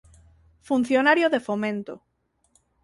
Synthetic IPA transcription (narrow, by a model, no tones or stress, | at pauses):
fun̟θjonaɾjoðefomẽnt̪o